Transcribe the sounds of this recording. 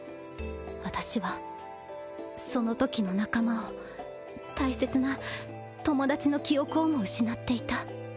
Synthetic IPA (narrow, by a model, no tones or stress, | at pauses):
βat̪aɕiβa | so̞no̞t̪o̞kʲino̞nakamao | t̪aise̞t͡sɨna | t̪o̞mo̞d̪at͡ɕino̞kʲio̞kɯ̟omo̞ɯ̟ɕinat̪ːe̞it̪a